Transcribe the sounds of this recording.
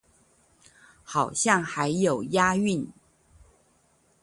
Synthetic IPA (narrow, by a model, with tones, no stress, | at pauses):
xɑ˨˩ʊɕjɑ˥˩ŋxa˧˥ɪjo˨˩ʊja˥y˥˩˨n